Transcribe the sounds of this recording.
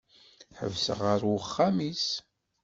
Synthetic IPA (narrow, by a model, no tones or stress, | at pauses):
ħə̰vsəʁəɾwəχːæmis